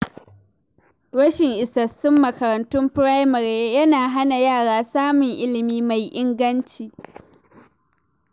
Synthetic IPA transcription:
wɐ˦ʃɪ˨ŋʔɪ˨sɐ˨sʊ˦mːɐ˨kɐ˨ɾɐ˨ntʊ˦mpɾa˦jmɐ˨ɾjɐ˦naː˨ɦa˦na˨jaː˦˨ɽaː˦saː˦mʊ˨ŋʔɪ˦lɪ˨miː˦ma˨jʔɪ˦ŋɡɐ˦nt͡ʃiː˨

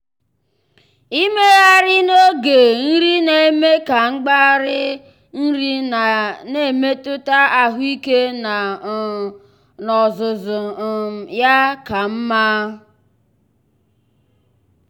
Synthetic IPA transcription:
i˦me˦ɣa˦ɾɪ˦no˦ɡe˨n̩˦ɾi˦ne˨e˦me˦ka˨ŋ͡m̩˦ɡ͡ba˦ɾɪ˦ | n̩˦ɾi˦˨ | ne˨me˦tʊ˦ta˦a˨ɦʊ˦i˦ke˦na˨ | nɔ˨zʊ˨zʊ˨ja˦ka˨m̩˦ma˦

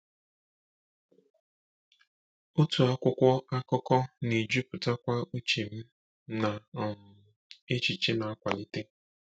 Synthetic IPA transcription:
o˦tu˨a˦kʷʊ˦kʷɔ˦a˦kɔ˦kɔ˦ni˨d͡ʒu˦pʊ˨ta˦kʷa˦u˦t͡ʃi˨m̩˦ | na˨m̩˨ | e˦t͡ʃi˨t͡ʃi˦na˨a˦kʷa˨li˨te˦

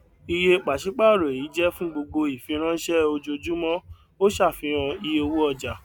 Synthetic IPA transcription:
i˧je˧k͡pa˨ʃi˨˦k͡pa˦˨ɾo˨e˨i˨˦d͡ʒɛ˦fũ˦ɡ͡bo˧ɡ͡bo˧i˨fĩ˧ɾ̃ã˦ʃɛ˦o˧d͡ʒo˧d͡ʒu˦mɔ̃˦ | o˦ʃa˦˨fĩ˨˧˦ɾ̃ã˧i˧jo˧wu˦ɔ˧˨d͡ʒa˨

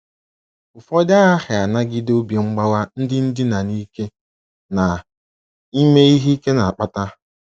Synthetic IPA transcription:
ʊ˨fɔ˦da˦a˦hɪ˨a˨na˦ɡɪ˦do˦bje˨ŋ͡m̩˦ɡ͡ba˦wa˦n̩˦dɪ˦n̩˦dɪ˦na˨ni˦ke˦ | na˨ | i˦me˦i˦ɦi˦ke˦na˨a˨k͡pa˦ta˦

